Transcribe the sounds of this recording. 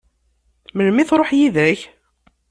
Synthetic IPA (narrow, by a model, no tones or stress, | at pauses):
məlmiθɾˤoħjiðæç